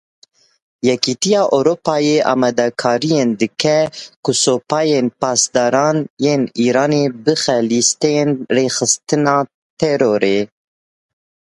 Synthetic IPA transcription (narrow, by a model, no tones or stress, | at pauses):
jɛkit̪ijɑːʔoɾopɑːjeʔɑ̰ːmɛd̪ɛkʰɑːɾijend̪ɨkʰɛkusoːpɑːjenpɑːsd̪ɑːɾɑːnjeːniːɾɑːneːbɨxɛlist̪ejenreːxɨst̪ɨnɑː | t̪ʰɛɾoːɾe